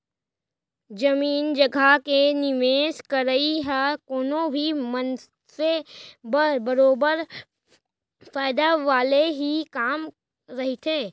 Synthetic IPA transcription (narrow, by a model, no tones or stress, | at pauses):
d͡ʒɐmiːnd͡ʒɐɡʱakenɪʋeːʃkəɾəiɦɛkoːnõbʱimən | sebbɐɾoːbəɾ | faːɪd̪aʋaːleɦikaːm | ɾɐɦit̪ʰeː